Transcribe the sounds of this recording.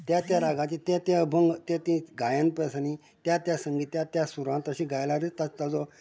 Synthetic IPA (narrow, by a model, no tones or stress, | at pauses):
t̪jat̪jaɾaɡãt͡ɕit̪ẽt̪eəbʱəŋɡt̪ẽt̪ĩɡajãnpəsani | t̪jat̪jasəŋɡit̪jat̪jasuɾʋãnt̪əɕĩɡajlaɾit̪at̪ad͡zɔ